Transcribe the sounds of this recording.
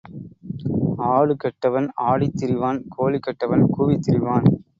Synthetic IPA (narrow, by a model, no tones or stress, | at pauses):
aːɻɯkɐʈːɐʋɐnaːɽit̪ːɪɾɪʋaːnkʰoːlɪkːɐʈːɐʋɐnkuːʋɪt̪ːɪɾɪʋaːn